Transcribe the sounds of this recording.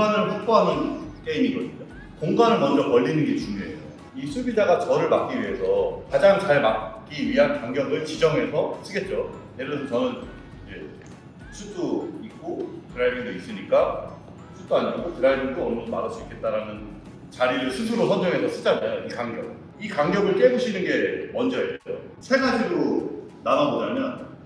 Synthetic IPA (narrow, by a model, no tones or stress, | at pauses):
anɯɭɸʰuk̚p͈oɦanɯnt͈eiɲiɡʌdɯɲo | koŋɡanɯɭmʌnd͡ʑʌkʌʎːinɯnɡet͡ɕuŋjoeo | isʰubid͡ʑaɡat͡ɕʌɾɯɭmak͈iɥiɦe̞sʰʌkad͡ʑaŋt͡ɕaɭmakk͈iɥiɦankaŋɡjʌɡɯɭt͡ɕid͡ʑʌŋɦe̞sʰʌsʰɯɡe̞t̚t͡ɕ͈ojeɾɯʌdʰʌt͡ɕʌnɯn | d͡ʑe | sʰudoik͈̚otɯɾajbiŋdois͈ɯɲik͈a | sʰutd͈oaɲiɡotɯɾaibiŋt͈oʌɭmʌnmaɾaɭs͈uikʰe̞t̚t͈aɾanɯn | t͡ɕaɾiɾɯɭsʰutʰuɾosʰʌnd͡ʑoŋɦe̞sʰʌsʰɯ̥d͡ʑ͈anajoikaŋɡjʌk̚ | ikaŋɡjʌɡɯɭk͈e̞buɕʰinɯnɡe̞mʌnd͡ʑʌieo | sʰe̞ɡad͡ʑiɾo | nanabʌɲamjʌn